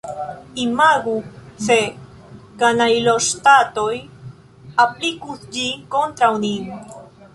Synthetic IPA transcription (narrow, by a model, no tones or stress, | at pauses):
imaɡuse̞ | kanajloʃtato̞j | aplikusd͡ʒinko̞ntɾawnin